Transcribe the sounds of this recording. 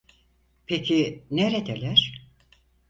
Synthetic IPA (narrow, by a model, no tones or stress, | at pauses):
pʰecʰineɾed̪elʲæɾ̥